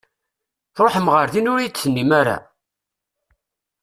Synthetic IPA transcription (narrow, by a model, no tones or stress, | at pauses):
ɾˤoħəmʁəɾðinʊɾijt͡sːθənːimaɾa̰